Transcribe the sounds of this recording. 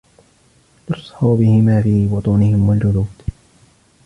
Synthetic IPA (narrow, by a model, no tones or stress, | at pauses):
ʔʊsˤħuːbɪhɪmaːfiːbʊt̪ˤunɪhɪmwald͡ʒʊluːd̪̥